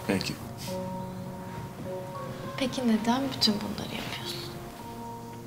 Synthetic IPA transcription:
pʰɛcʰɪ | pʰecʰined̪ænbyt̪ʰynbunlˠa̰ɾɯja̰pʰɯjoɾsu

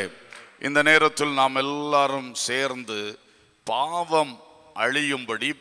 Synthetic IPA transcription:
ʔɪ̰nd̪ɐneːɾɐt̪ːɪlnaːmɛlːaːɾɯmseːɾnd̪ɯ | paːʋɐm | ʔɐɻɪjɯmbɐɽi

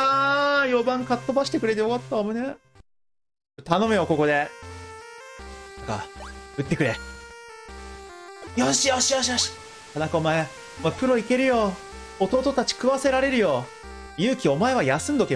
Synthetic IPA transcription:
ajo̞bãŋkat̪ːo̞baɕi̥t̪e̞kɯ̟ɾe̞t̪ejo̞kat̪ːamone | t̪ano̞mɯ̟jo̞ko̞ko̞d̪e̞ | nãŋka̰ɯ̟t̪ːe̞kɯ̟ɾe̞ | joɕijoɕijoɕ̬ijoɕi̥ | nakanakaomae | mopɯ̟ɾo̞ike̞ɾɯ̟jo̞ː | t̪o̞ːt̪ot̪at͡ɕi̥kɯ̟βase̞ɾaɾe̞ɾɯ̟jo̞ | jɯ̟ːkʲio̞mae̞βajasɨ̃nd̪o̞ke

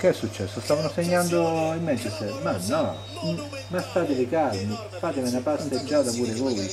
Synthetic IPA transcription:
keɛsːut͡ʃːɛsːost̪aːvanoseɲːand̪oimːɛnt͡ʃɛst̪ɛɾmanːɔ | mast̪ːaːt̪ɪlɪkalmi | faːt̪ɪmɪnapant̪ed͡ʒːaːt̪apuːɾevoːj

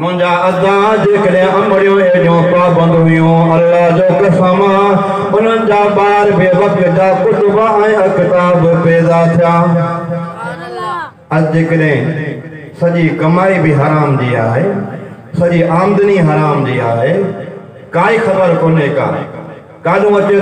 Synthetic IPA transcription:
mʊ̃ɦɪ̃ɲd͡ʑaɐd̪ã | d͡ʑeːkəɗɦɪ̃ɐməɽijõed͡ʑõːpaːbɐ̃nd̪ɦʊjũɐlːaɦd͡ʑoːkəsaːmã | ʊn̤ənɪ̆d͡ʑaːɓaːɦɪɾbɪjəʋɐkɪd͡ʑaːkʊt̪ʊbaɛ̃ɐkɪt̪aːbɪpɛːzat̪ʰɪjaː | ɐd͡ʑeːkəɗɦɪ̃ | sɐʄikɐmaːibɪɦɐɾaːmd͡ʑiːa̰ːɦeː | sɐʄiʔaːmd̪əniɦɐɾaːmd͡ʑiːaːɦe | kaːixɐtəɾkoːneːka̰ː | kaːɗũʋɐt͡ɕe

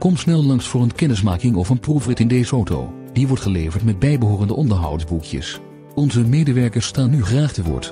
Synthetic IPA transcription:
kɔmsnɛlˠlɑŋsfʊːɹənkɛnɪsmaːkɪŋɔfənprufrɪtɪndejzəowto̰w | d̥iʋɔɹtχəlejvəɹtmɛd̚bɛjbəɦʊːrəndəʔɔndəɹɦɑ̰wdzbukjə̰s | ɔnzəmejdəʋɛɹkəɹstaːnːyχraːχtəʋʊ̰ːɹt

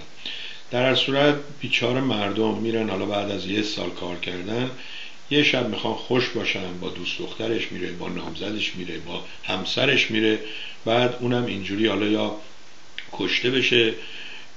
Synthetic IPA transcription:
d̪̥æɾhæɾsuːɾæt̪̚ | b̥iːt͡ʃʰɒːɾemæɾd̪omːiːɾænhɒːlɒːbæːd̪æzjesɒ̰ːlkʰɒːɾcʰæɾd̪æn | jeʃæbmixɒːnxoʃbɒːʃænbɒːd̪uːsd̪o̞xt̪æɾe̞ʃmiːɾe̞bɒ̰ːnɒ̰ːmzæd̪eʃmiːɾe̞bɒː | hæmsæɾe̞ʃmiːɾe̞ | b̥æːd̪uːnæmind͡ʒuːɾiːhɒːlɒjɒː | kʰoʃt̪e̞be̞ʃe

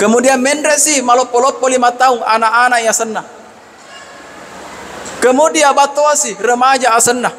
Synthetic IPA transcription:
kəmudiamɛndɾɛsimalɔpːolɔpːolimat̪auŋanaʔanaiasənːa | kəmudiabat̪oasirəmad͡ʒaːsənːa

